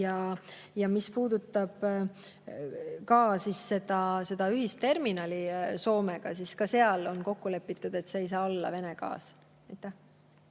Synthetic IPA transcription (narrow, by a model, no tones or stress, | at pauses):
jɑ | jɑmispuːd̪̥ut̪ːˑɑb̥ | kɑːsisse̞d̪ɑse̞d̪̥ɑyɦistt̪e̞rminɑliso̞ːmeɡ̥ɑsiskɑse̞ɑlo̞nko̞kːule̞pːˑit̪ːˑud̪̥e̞t̪se̞ːjs̬ɑːo̞lːɑ̰ve̞ne̞ɡ̥ɑ̰ːs | ɑjt̪ːˑæh